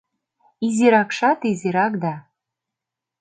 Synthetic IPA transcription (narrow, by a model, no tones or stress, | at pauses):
iziɾɑkʃɑt̪iziɾɑkd̪ɑ